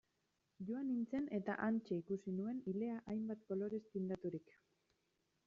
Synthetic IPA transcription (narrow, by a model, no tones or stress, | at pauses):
ʝoanint͡se̞ne̞t̪a̰ʔant͡ʃe̞ikusinue̞nile̞aʔajmbat̪ko̞lo̞ɾe̞st̪ind̪at̪uɾik